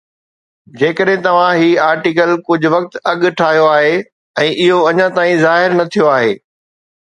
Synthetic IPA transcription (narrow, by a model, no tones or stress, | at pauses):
d͡ʑeːkəɗɦɪ̃t̪ɐʋ̤ãɦiːaːɾʈikəlkʊd͡ʑʱʊ̆ʋɐk̚t̪ɐɠʈʰaːɦijoaːɦe | ɛ̃ːʔɪɦoɐɲãt̪aːĩzaːɦɪɾnɐt̪ʰijoaːɦeː